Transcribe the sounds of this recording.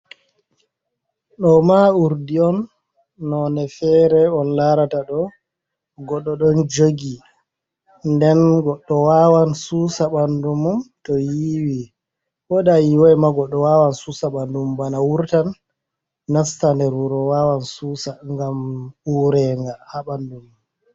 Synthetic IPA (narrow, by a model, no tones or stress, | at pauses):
ɗɔmauɾdiɔnː | ɔnɛfɛɾɛɔnlaɾataɗɔ | ɡɔɗːɔɗɔnd͡ʒoɡi | ndɛnɡɔɗːɔwawansusaɓandumumtɔjiwi | wɔɗajiwɔjmaɡɔɗːɔwawansusaɓandumbanawuɾtanː | astandɛɾuɾɔwawansusaŋɡamuɾɛŋɡahaɓandum